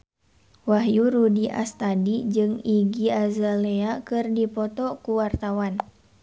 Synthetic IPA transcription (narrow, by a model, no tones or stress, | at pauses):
waɦjuɾudiʔa̰st̪adid͡ʒɨŋiɡiazaleakɨrdipɔt̪ɔkuwart̪awan